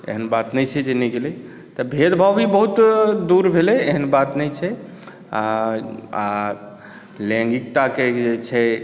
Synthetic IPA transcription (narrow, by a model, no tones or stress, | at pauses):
ḛɦənbat̪nɛjt͡ʃʰɛd͡ʒeniɡelɛ | t̪ɔbʱed̪bʱəbibəɦut̪d̪uɾbʱelɛeɦənbat̪nɛjt͡ʃʰɛ | a | a | lɛ̃ŋɡik̚t̪aked͡ʒet͡ʃʰɛ